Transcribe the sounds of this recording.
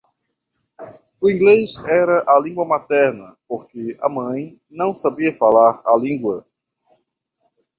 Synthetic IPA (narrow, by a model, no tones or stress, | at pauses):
ʊĩɡlezɛɾɐʔalĩɡwɐmat̪ɛɾnɐpoɾkeɐ̰mɐ̃j̃ | nɐ̃w̃sabiɐfalaɾa̰lĩɡwɐ